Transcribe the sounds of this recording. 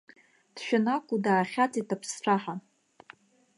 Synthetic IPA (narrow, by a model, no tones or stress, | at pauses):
d̥ʃᶣanakʷʼudaːχʲat͡sʼitʰʼapʰsʈ͡ʂʰaħa